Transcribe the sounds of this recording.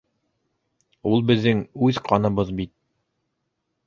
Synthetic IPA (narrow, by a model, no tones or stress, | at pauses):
ulˠbɘ̆ðːɘŋʉðqʰɑnɤ̆βɤðbit̪̚